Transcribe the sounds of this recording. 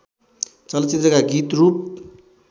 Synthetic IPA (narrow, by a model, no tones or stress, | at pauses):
t͡sʌlʌt͡sit̪rʌkaɡit̪rup̚